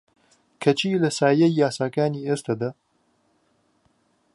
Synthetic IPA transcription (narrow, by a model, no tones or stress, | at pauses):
kʰɐt͡ʃiːlɐsaːjɐjːaːsaːkaːniːeːst̪ʰɐd̪a